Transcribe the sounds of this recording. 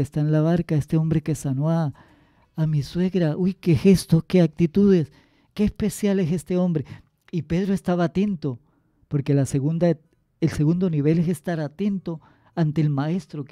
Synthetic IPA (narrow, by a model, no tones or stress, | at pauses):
est̪aenlaβaɾkaest̪eo̞mbɾe̞ke̞sanoaː | miswe̞ɣɾaʔujke̞xe̞st̪oskeak̚t̪it̪uðe̞s | ke̞ːspe̞sjalese̞st̪e̞o̞mbɾe | ipe̞ð̞ɾoe̞st̪aβaːt̪e̞nt̪o̞ | poɾke̞laseɣund̪a | elseɣund̪o̞niβe̞lesest̪aɾat̪e̞nt̪o̞ | ant̪e̞ːlmae̞st̪ɾo